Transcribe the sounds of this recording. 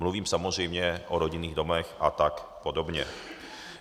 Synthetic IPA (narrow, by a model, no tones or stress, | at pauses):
mluviːmsamozr̝ɛjmɲɛʔoɾoɟɪniːɣdo̞mɛxʔat̪akpodobɲɛ̰